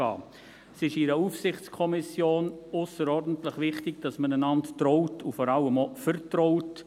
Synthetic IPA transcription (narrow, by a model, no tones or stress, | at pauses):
ɑ̰ː | sɪʃɪɾəufsɪχt͡skʰɔmɪsjoːnʊsəɾɔrdən̩tləχʋɪχtɪɡ̚d̥ɑsmənənɑnttrɔʊtʰufɔɾɑləmɔfəɾtɾɔʊt